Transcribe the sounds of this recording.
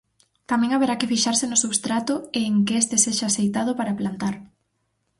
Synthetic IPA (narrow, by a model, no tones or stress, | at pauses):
t̪amɛ̃ŋaβeɾakɪfiʃaɾsɪenʊsuβst̪ɾat̪ʊeːŋkeest̪eseʃaːsejt̪að̞ʊpaɾaplant̪aɾ